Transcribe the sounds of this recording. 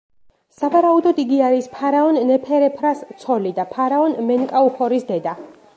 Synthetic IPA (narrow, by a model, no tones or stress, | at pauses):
savaɾaud̪ɔd̪iɡiaɾispʰaɾaɔnːɛpʰɛɾɛpʰɾast̪sʰɔlid̪apʰaɾaɔnmɛŋkʼauχɔɾisd̪ɛd̪a